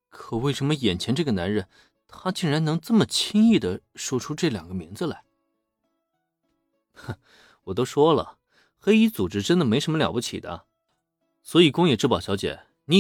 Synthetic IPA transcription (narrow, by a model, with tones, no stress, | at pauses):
kʰɤ˨˩we˥˩ɪʂə˧˥nmə˧jɛ˨˩nt͡ɕʰjɛ˧˥nʈ͡ʂɤ˥˩ɡə˩na˧˥nɻə˥˩n | t̪ʰa˥t͡ɕi˥˩ŋɻa˧˥nɤ˧˥ŋt͡sɤ˥˩mə˩t͡ɕʰi˥ŋi˥˩d̪ə˩ʂwɔ˥ʈ͡ʂʰu˥ʈ͡ʂɤ˥˩ljɑ˨˩ŋɡə˦mi˧˥ŋd͡zə˧la˧˥ɪ | wɔ˨˩t̪̬o˥ʊʂwɔ˥lə̰˩ | xe˥ɪi˥t͡su˨˩ʈ͡ʂɻ̩˥ʈ͡ʂə˥nd̪ə˨me˧˥ɪʂə˧˥nməljɑ̰˨˩pu˥˩t͡ɕʰḭ˨˩d̪ə̰˦ | swɔ˧˥i˨˩kʊ˥ŋjɛ˨˩ʈ͡ʂɻ̩˥˩pɑ˨˩ʊɕjɑ˧˥t͡ɕjɛ̰˨˧˩ | ni˧˥